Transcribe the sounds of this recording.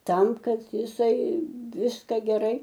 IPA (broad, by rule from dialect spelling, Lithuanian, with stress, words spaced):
ˈtɐm ˈkɐt jɪˈsɐɪ ˈʋʲɪskɐ ɡʲɛˈrɐɪ